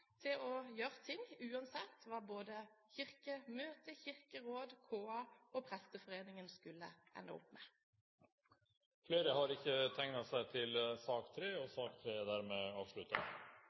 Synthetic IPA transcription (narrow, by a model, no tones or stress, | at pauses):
t̪ʰɪlɔjøːʁət̪ʰɪŋʉːɑnsɛt̪ːʋɑːboːd̪əçɪʁkəmøːt̪əçɪʁkəʁoːd̪kʰoːɑɔpʰʁɛst̪əfɔʁeːnɪŋənskʉlːə̰ɛ̰nːə̰ʊ̰pːmɛ | fleːɾəhɑɾɪçːət̪ʰɛŋnɑsæɪt̪ʰɪlsɑːkt̪ʰɾeːɔsɑːkt̪ʰɾeːd̪æɾmɛɑːʋʂɭʉt̪ɑ̰